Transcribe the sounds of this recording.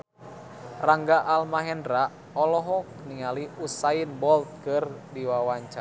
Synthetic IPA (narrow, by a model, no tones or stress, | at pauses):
raŋɡaʔalmaɦɛndɾa | ɔlɔɦɔk̚niŋaliusainbɔlt̪̚kɨrdiwawaɲt͡ʃa